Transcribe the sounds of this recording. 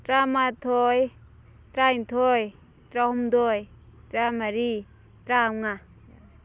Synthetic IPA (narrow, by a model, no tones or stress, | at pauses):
tɾamatʰoj | tɾajntʰoj | tɾaɦumdoj | tɾamaɾi | tɾamŋa